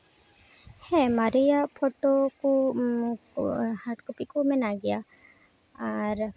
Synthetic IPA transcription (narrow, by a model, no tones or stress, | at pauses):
hɛ̃maɾijapʰɔʈoku | haʈkupikumɛnaɡɛja | aɾ